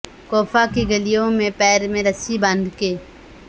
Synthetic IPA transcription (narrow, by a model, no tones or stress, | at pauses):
koːfʰakiɡəlijõmẽpɛːɾmẽɾəsibə̃nd̪keː